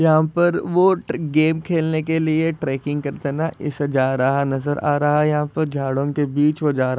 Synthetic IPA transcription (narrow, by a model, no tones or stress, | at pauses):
jɐɦãpɐɾʋoɡeːmkʰeːlnekelieʈɾɛːkɪ̃ŋɡkɐɾt̪enaʔɪ̰sd͡ʒaːɾɐɦanɐzəɾa̰ːɾɐɦajɐɦãpɐɾd͡ʒʱaːɽõkebiːt͡ʃʋod͡ʒaːɾ